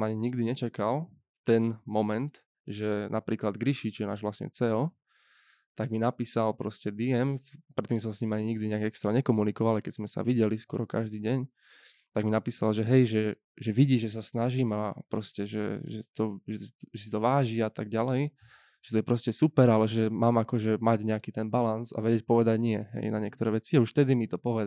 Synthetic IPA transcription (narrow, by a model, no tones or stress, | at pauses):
maɲiɲiɡd̪iɲɛt͡ʃakal | t̪ɛnmɔmɛnt̪ | ʒɛnapɾiːklad̪ɡɾiʃit͡ʃɔjɛna̰ːʒʋlasɲɛ̰t͡sɛɔ | t̪aɡminapiːsalpɾɔscɛd̪iɛmpɾɛt̪ːiːmsɔmsɲimaɲiɲiɡd̪iɲɛaɡɛkst̪ɾaɲɛkɔmunikɔʋalajkɛzmɛsa̰ʋiɟɛliskʊɔ̰ɾɔka̰ʒd̪iːɟɛɲ | t̪aɡminapiːsalʒɛɦɛjʒɛ | ʒɛʋiɟiːʒɛs̬asnaʒimapɾɔscɛʒɛ̰ʒɛt̪ɔʒɛʒɛsit̪ɔʋaːʒiat̪aɡ̚ɟalɛj | ʒ̥ɛt̪ɔjɛpɾɔscɛsupɛɾalɛʒɛmaːmakɔʒɛmaɟɲɛakiːt̪ɛnbalanza̰ʋɛɟɛc̚pɔʋɛd̪aɟɲɪɛɦɛ̰jnaɲɪɛkt̪ɔɾɛːʋɛt͡siauʃft̪ɛd̪imit̪ɔpɔʋɛ